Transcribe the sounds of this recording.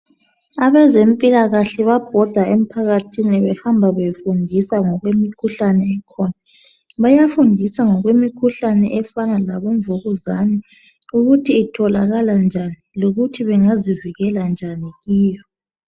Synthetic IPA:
aβɛzempʼilaɣaɬɛβab̥ʱɔd̥ʱaʔem̩pʰaɣatʰinɛβɛhambʱaβefundʱisaŋɔɣwemikʰuɬanɛːkʰɔna | βajafundʱisaŋɔɣwemikʰuɬanɛʔɛfanalaβɔɱvoɣuzani | uɣutʰiːtʰɔlaɣaland͡ʒʱaniloɣutʰiβɛŋaziviɣɛland͡ʒʱaniɣiːjɔ

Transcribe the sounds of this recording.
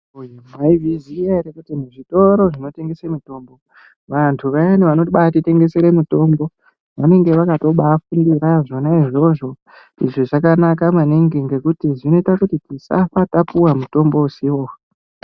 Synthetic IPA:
ujemwaiʋiziaɾekutimuʐito̞ɾo̞ʐino̞te̞ŋɡe̞semito̞ːmbo̞ | ʋantʰuʋaeneʋanotiɓatite̞ŋɡe̞se̞ɾe̞mito̞mbo̞ | ʋane̞ŋɡe̞ʋakato̞ɓaːfundiɾaʐo̞naiʐo̞ʐo̞ | ḭʐoʐakanakamaneŋɡeŋɡe̞kutiʐino̞itakutitisa̰fatapuwamuto̞mbo̞usiwo

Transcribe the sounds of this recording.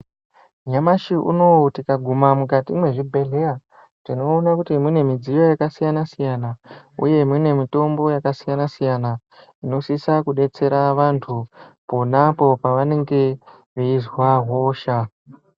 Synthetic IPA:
ɲamaʃiʔṵno̞tikaɡʱumamukatimwe̞ʐibʱe̞ɮe̞a | tino̞ːnakutimune̞mid͡zijo̞jakasijanasijanaṵje̞mune̞mito̞mbo̞jakasijanasijana | ino̞sisakuɗe̞t͡se̞ɾaʋantʰuponapo̞paʋane̞ŋɡe̞ | ʋeizwaɦo̞ːʃa

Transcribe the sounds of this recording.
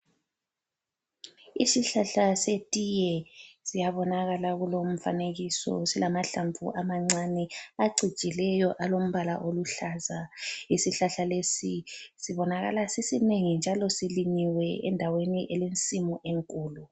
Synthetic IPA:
isiɬaɬasetʼijɛsijaβɔnaɣalaɣulom̩fa̰neɣisɔ̰silamaɬampʰṵʔamaŋ͡ǀanɛaɡ͡ǀʱi̥t͡ʃʼilɛjɔʔalom̩βala̰ʔoluɬazaisiɬaɬalesisiβɔnaɣa̰lasisineŋind͡ʒʱalɔsiliɲiwɛɛ̰ndʱaweniʔɛlent͡sʼimuʔeŋkʼuːlu

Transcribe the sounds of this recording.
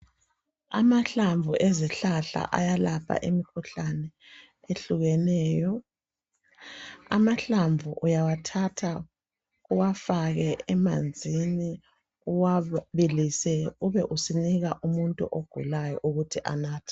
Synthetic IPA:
a̰maɬaɱvʱuʔɛziɬaɬa̰ʔajalapʰa̰ʔemikʰuɬanɛ | eɬuɣɛnɛːjɔ | a̰maɬaɱvʱuʔujawatʰatʰa | uwafaɣɛɛmand͡zʱini | uwaβilisɛuβɛʔusiniɣaʔumuntʼṵʔoɡ̥ʱṵlajɔ̰ʔuɣutʰiʔa̰naːtʰɛ̥

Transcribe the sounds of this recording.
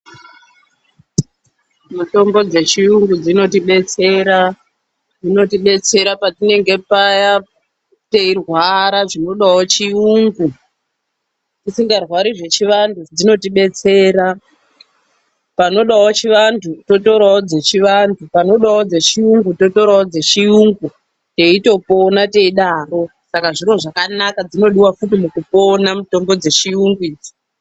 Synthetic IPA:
muto̞mbo̞d͡ze̞t͡ʃiuŋɡud͡zino̞tiɓe̞t͡se̞ɾa | d͡zino̞tiɓe̞t͡se̞ɾapatine̞ŋɡe̞paja | teirɣwaɾaʐino̞ɗawot͡ʃiuːŋɡu | tisiŋɡarwaɾiʐe̞t͡ʃiʋantʰud͡zino̞tiɓe̞t͡se̞ːɾa | pano̞ɗawot͡ʃiʋantʰuto̞to̞ɾaod͡ze̞t͡ʃiʋantʰupano̞ɗawod͡ze̞t͡ʃijuŋɡuto̞to̞ɾawod͡zet͡ʃijuŋɡu | te̞ito̞po̞nate̞iɗaːro̞sakaʐiro̞ʐakanakad͡zino̞ɗiwafutimukupo̞namuto̞mbo̞d͡ze̞t͡ʃijuŋɡwiːd͡zi̥

